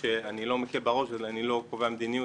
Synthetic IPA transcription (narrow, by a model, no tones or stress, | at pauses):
eanilo̞mekilbaʁoʃelanilo̞koveamed̪iniju